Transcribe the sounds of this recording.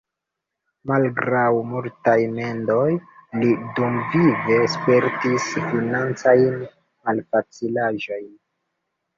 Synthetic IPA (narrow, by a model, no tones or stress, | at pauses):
malɡɾawmultajme̞ndo̞jlidumvive̞spe̞ɾtisfinant͡sajn | malfat͡silaʒo̞jn